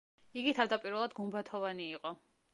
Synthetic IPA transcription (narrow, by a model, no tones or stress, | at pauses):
iɡit̪ʰavd̪apʼiɾvɛlˠad̪ɡumbat̪ʰɔvaniːqʼɔ